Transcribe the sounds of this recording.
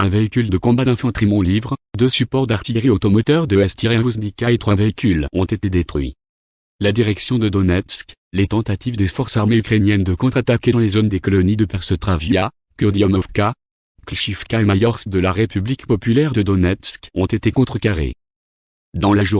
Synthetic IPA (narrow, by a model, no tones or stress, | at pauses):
ɛ̃veikʲyld̪əkɔ̃bad̪ɛ̃fɑ̃t̪χimɑ̃livʁd̪øsypɔʁd̪aʁt̪ijʁiot̪ɔmɔt̪œʁd̪əɛst̪iʁeɛ̃vuznikaet̪χwaveikʲylɔ̰̃t̪et̪ed̪et̪χɥḭ | lad̪iʁɛksjɔ̃d̪əd̪ɔnɛt̪sk | let̪ɑ̃t̪at̪ivd̪efɔʁsaʁmeykχenjɛnd̪əkɔ̃t̪χat̪akʲed̪ɑ̃lezond̪ekɔlɔnid̪əpɛʁsət̪χavja | kʲyʁd̪iɔmɔfka | klʃifkaemajɔʁsd̪əlaʁepyblikpɔpylɛʁd̪əd̪ɔnɛt̪skɔ̃t̪et̪ekɔ̃t̪χəkaʁḛ | d̪ɑ̃laʒu